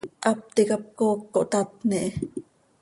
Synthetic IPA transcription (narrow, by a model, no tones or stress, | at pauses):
ʔɑp̚t̪ikɑp̚koːkːoʔt̪ɑt̪niʔe